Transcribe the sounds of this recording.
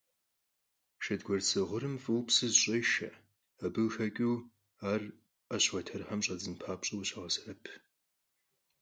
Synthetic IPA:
ʃɐdɡʷɔrt͡sʰɨʁʷʊɾɨmfʼɨwpsɨzɕʼɐjʃɐ̰ | ɐbɨwxɐkʲʼuː | aːr | ɐɕwɐtʰɐrħɐmɕʼɐd͡zɨnpʰaːpɕʼɪwɕaʁɐsɐrɐpʰ

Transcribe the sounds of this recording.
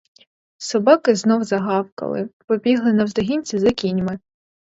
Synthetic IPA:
sɔbɑkɪznɔwzɐɦɑwkɐ̰lˠɪ̰pɔbʲiɦlˠɪnɐwzd̪ɔɦʲinʲt͡sʲizɐkʲinʲmɪ

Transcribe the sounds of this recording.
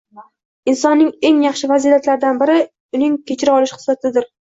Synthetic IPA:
ɪnsɒnːɪŋe̞ŋjɑχʃɪvazilat̪laɾd̪anbɪɾɪ | ʊnɪŋkʲʰet͡ʃʰɪɾɪɒlɪʃhɨ̥sat̪ʰɪd̪ɪɾ

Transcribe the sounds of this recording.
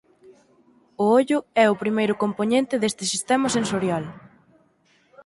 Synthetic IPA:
ʊoʎʊɛʊpɾimejɾʊkomponẽnt̪ɪðest̪ɪsist̪ɛmɐsensoɾjal

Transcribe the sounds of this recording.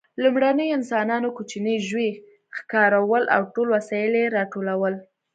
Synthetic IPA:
lumɽanəjoɪnsɑnɑnokut͡ʃinəʒwe | xkɑɾawəlʔa̰wʈolwasɑjɪleɾɑʈolawəl

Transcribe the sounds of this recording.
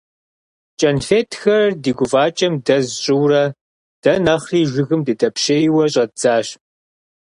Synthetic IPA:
t͡ʃʼɐnfeːtʰxɐrɐdiːɡʷʊvaːt͡ʃʼɐmdɐzɕʼɪwrɐ | d̥ɐnɐχriːʒʷɪɣɨmdɨtʼɐpʃejwɐɕʼɐd͡zaːɕ

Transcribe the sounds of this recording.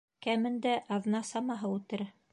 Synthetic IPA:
kæmɘ̆nd̪æʔɑðnɑsɑmɑɦɤʉt̪ɘɾ

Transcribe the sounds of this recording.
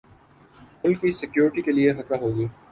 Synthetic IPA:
mʊlkːisɪkjoːɾɪʈikelieɦɐt̪aɦoːɡɐiː

